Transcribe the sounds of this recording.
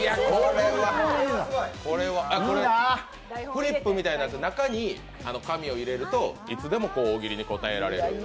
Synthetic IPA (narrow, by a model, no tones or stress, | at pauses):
iakkoɾe̞βa | ko̞ɾe̞βaako̞ɾeaa | ɸɯ̟ɾʲipːɯ̟mʲit̪ainasenakaɲ̟i | ano̞kamʲio̞iɾe̞ɾɯ̟t̪o̞it͡sɨd̪e̞mo̞ko̞ːɡʲiɾʲiɲ̟iko̞t̪ae̞ɾaɾe̞̰ɾɯ̟̰